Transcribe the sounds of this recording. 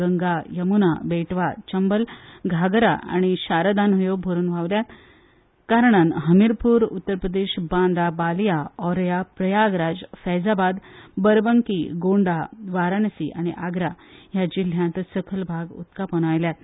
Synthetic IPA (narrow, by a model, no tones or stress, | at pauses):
əŋɡajəmunabeʈʋat͡ɕəmbəlɡʱaɡɾa̰ʔa̰ɽ̃iɕaɾəd̪anɦəjobʱoɾuːnʋaʋljat̪ | kaɾɳ̃anɦəmiɾpuːɾut̪ːəɾpɾəd̪eɕbãnd̪abaljaɔɾjapɾəjaɡɾad͡zfɛd͡zabad̪bəɾbəŋkiɡoɳɖaʋaɾanəsiʔa̰ɽ̃iʔaɡɾajad͡ʑil̤jãnt̪səkʰəlbʱaɡṵt̪kapənajljat̪